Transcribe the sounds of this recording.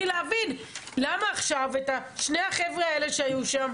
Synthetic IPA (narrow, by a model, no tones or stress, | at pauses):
ileavinlamaːχʃavetaʃnejhaχevʁeaele̞ʃeajuʃam